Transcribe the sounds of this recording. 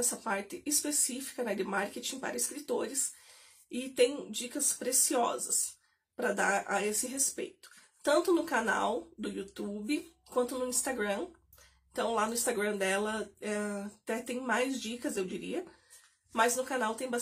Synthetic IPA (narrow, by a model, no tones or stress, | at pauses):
ɛsɐpaɾt̪ɪɪspesifi̥kɐnɛd̪ɪmaɾket͡ʃĩpa̰ɾɐɪskɾit̪oɾɪs | ɪt̪ẽj̃d͡ʒikɐspɾesiɔzɐs | pɾɐd̪aɾɐesɪɦespḛjt̪ʊ̥ | t̪ɐ̃nt̪ʊnʊkana̰wd̪ʊjut̪ubɪkwɐ̃nt̪ʊnʊĩst̪aɡɾɐ̃ | ẽt̪ɐ̃w̃lanʊĩst̪aɡɾɐ̃d̪ɛlɐɛt̪ɛt̪ẽj̃majzd͡ʒikɐzewd͡ʒiɾḭɐ | mɐznʊkanawt̪ẽj̃ba